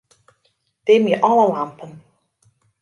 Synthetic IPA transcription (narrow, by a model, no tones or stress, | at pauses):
d̥emjəʔɑləlampən